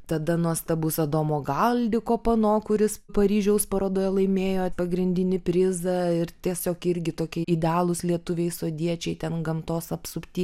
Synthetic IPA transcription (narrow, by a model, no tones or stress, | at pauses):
t̪ɐd̪ɐnuɔst̪ɐbuːsɐd̪oːmoːɡɐlʲd̪ʲɪkoːpɐnoːkʊɾʲɪspɐɾʲiːʒʲɛʊspɐɾoːd̪oːjɛlˠɐɪmʲeːjoːt̪pɐɡɾʲɪnʲd̪ʲɪnʲɪpʲɾʲɪzɐɪrt̪ʲiɛsʲoːkɪɾʲɡʲɪt̪oːkʲɛɪdʲɛɑːlˠʊslʲiɛt̪ʊʋʲeɪsoːd̪ʲiɛt͡ʃʲɛɪt̪ʲɛnɡɐmt̪oːsɐpsʊpʲt̪ʲiː